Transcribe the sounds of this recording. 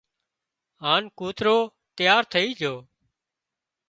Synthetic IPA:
ɦaːnkuːt̪ɾoː | t̪jaːɾt̪ʰəiːd͡ʒʱoː

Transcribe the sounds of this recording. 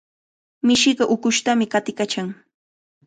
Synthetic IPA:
mɪʃɪɢɑʔʊkʊʃt̪amɪkat̪ɪkat͡ʃaŋ

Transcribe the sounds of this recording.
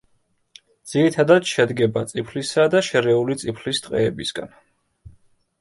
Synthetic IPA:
d̪z̥iɾit̪ʰad̪ad̪ʃɛd̪ɡɛbat̪sʼipʰlisad̪aʃɛɾɛulit̪sʼipʰlist̪ʼqʼɛɛbisɡa̰n

